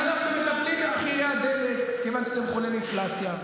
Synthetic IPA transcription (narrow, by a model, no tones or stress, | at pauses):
anaχnumekablimlaχiʁead̪elekkːevanʃeat̪emχoliminflat͡sja